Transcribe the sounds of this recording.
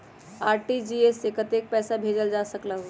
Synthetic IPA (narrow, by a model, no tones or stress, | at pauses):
aːɾʈid͡ʒiesekət̪ek̚pɛːsabʱed͡ʒəld͡ʒasəklaɦo